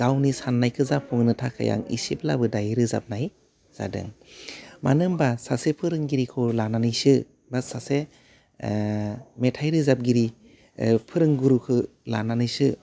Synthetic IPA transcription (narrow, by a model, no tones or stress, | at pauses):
ɡ̥awnisanːajkʰɯzapʰuŋnɯtʰakʰa̰ja̰ŋḭsip̚la̰bɯdajɾɯza̰p̚naj | z̥a̰dɯ̰ŋ | manɯŋbasasepʰɯɾɯŋɡiɾikʰɯlananɯjsɯ | basase | metʰajɾɯzap̚ɡiɾi | pʰɯɾɯŋɡuɾukʰɯ | la̰nanɯjsɯ